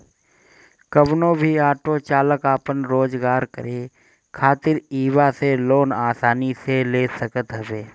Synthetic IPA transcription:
kəbnõːbʱiaːʈot͡ʃaːləkaːpənɾoːd͡ʒɡaːɾkə̰ɾeː | kʰaːt̪ɪɾiːʋaseloːnaːsaːniseleːsəkət̪ɦɐʋeː

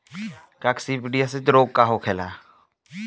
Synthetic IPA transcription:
kaksipiɖijaset̪ɾoːɡ̚kaɦokʰelaː

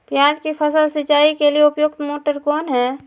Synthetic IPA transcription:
pjaːd͡ʒkipʰəsəlsɪt͡ʃaːikelieʊpjʊk̚t̪moːʈəɾkɔːnɦɛ

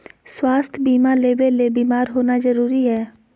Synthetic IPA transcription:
swaːst̪ʰbiːmãːleːbeːleːbiːmaːɾɦoːnaːzəɾuːɾiːɦɛː

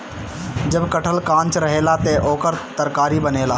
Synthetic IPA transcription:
d͡ʒəbkəʈʰəlkãːnt͡ʃɾəɦeːlat̪eʔoːkəɾt̪əɾkaːɾibəneːla

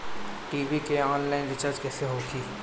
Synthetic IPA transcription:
ʈiːʋikeɔːnlaːɪnɖɪt͡ʃaːɾd͡ʒkɛːseɦokiː

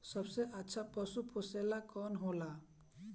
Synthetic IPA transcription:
sʌbseʔatːʃʰapɔsupʰoselakɔnɦola

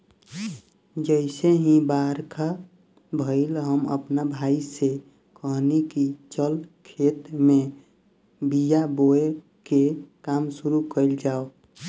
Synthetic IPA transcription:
d͡ʒəɪseɦĩbaɾka | bʱəɪlɦəmə̰pnabʱaise | kəɦnikit͡ʃəlkʰet̪me | bijaboe | kekamsuɾukəɪld͡ʒaːo

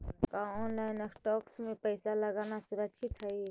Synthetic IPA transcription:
kãɔnlaɪnəkʈɔksmepəɪsaləɡanasuɾəkʃʰit̪ɦəj

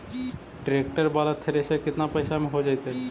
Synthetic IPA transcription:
ɖɾekʈəɾbalat̪ʰeɾesekɪt̪napəjsameɦod͡ʒajt̪e

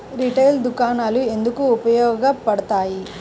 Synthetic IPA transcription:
ɾiʈɐjld̪ukaːnaːlue̞nd̪ukuːpɐjɔːɡɡɐpɐɽɐt̪aːji

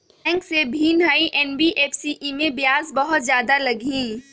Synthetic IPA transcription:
ɛ̃ːŋksebʱiːnɦaːiʔɛːnbiʔeːfsiʔimẽbjaːzbɐɦʊt̪zjaːd̪alɐɡʱĩː

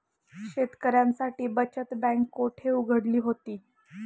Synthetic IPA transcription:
ɕet̪kəɾjansaʈiːbət͡ɕət̪bæ̃ŋkːoʈʰeuɡʱəɽliːɦot̪iː

